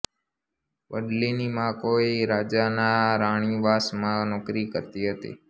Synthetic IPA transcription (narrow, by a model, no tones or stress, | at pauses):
ʋəɖlinimãkoeɾad͡ʒanaɾaɽ̃iʋasmãnɔkɾikəɾt̪iɦət̪ḭ